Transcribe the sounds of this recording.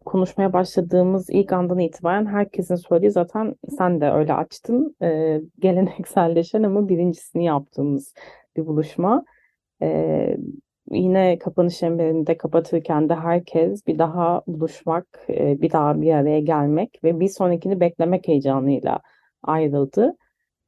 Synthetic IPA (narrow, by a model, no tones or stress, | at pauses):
kʰo̞nuʃmajabaʃlˠad̪ɯːmɯzḭlʲcand̪aniːt̪ʰibaːɾænɦæɾcʰe̞sinisø̞jlʲejozaːt̪ʰænsænd̪ɛʔø̰jlʲɛ̰a̰t͡ʃt̪ʰɯmɯːɟe̞lʲe̞nɛcsælʲːe̞ʃænamabiɾʲind͡ʒi̥sinijap̚t̪ʰɯːmɯz̥ | bibulˠuʃma | ɛ̰ː | jinɛkʰapʰanɯʃɛmbeɾind̪ɛkʰapʰat̪ʰɯɾcʰænd̪ɛɦæɾcʰɛzbid̪aɦabulˠuʃmakːbid̪aɦabijaɾejɛɟælʲmɛcvɛbiso̞nicʰinibɛclʲe̞mɛche̞jd͡ʒaːnˠɯjlˠa̰ | ajɾɯlˠd̪ɯ